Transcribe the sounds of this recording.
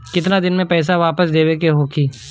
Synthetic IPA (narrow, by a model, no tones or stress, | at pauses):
kɪt̪nad̪ɪnmẽpɛːs̬aʋaːpəsd̪eːwekeɦoːkʰiː